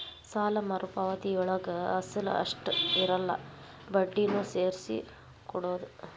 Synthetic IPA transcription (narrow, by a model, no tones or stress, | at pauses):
saːlɐmɐɾupɐʋɐt̪iɔɭɐɡɐɐsilṵɐ̰ʂʈiɾɐlːɐ̰ | bɐɖːinuːseːɾisḭ | kɔɽoːd̪u